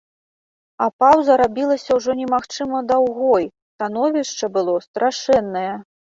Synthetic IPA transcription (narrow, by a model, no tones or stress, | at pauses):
ɐpawzɐɾabʲilˠɐsʲɐwʐɔnʲɛmaxt͡ʂɨmɐd̪awɣɔj̪ | t̪an̪ɔvʲiʂt͡ʂɐbɨlˠɔst̪ɾaʂɛnːɐjɛ